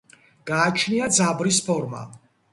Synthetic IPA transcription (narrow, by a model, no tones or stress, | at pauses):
ɡ̥aːt͡ʃʰniad̪zabɾispʰɔɾma̰